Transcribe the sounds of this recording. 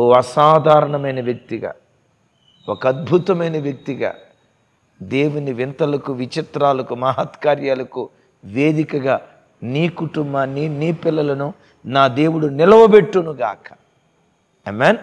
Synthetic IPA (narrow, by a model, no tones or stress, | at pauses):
oːɐsaːd̪ʱaːɾɐɳɐmɐjnɐʋjɐk̚t̪iɡa̰ː | okɐɐd̪̚bʱut̪ɐmɐjnɐʋjɐk̚t̪iɡa̰ː | d̪e̞ːwuniʋint̪ɐlɐkuʋit͡ʃit̪ɾaːlɐkumɐɦɐt̪kaːɾjaːlɐku | ʋe̞ːd̪ikɐɡaː | niːkuʈumbaːnːiniːpilːɐlɐnu | naːd̪e̞ːwuɽunilɐʋɐbe̞ʈːunuɡa̰ːkɐ̥ | emen